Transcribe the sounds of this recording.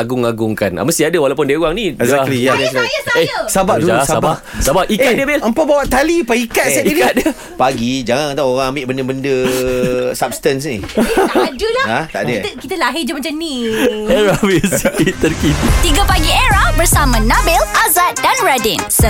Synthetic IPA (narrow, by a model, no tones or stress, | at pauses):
aɡʊŋaɡʊŋkanʔa̰məst̪iadəwalawpʊndiəuaŋnĩɛzzat̪lijanɛnaesabaʔdulusaba | sabaʔʔiadiəbɛləmpabawaʔt̪alipaikat̪̚ainat̪̚diə | paɡid͡ʒaŋanŋt̪aoɣaŋambɪʔbəndəbəndə | sap̚st̪əns̬ni | dəlaaht̪a̰ʔdəkit̪əlaɦid͡ʒəmat͡ʃanniɛɾavisitit̪ərkit̪it̪iɡəpaɡieɾabəɾsamãnabɛlʔazat̪̚danɹadɛns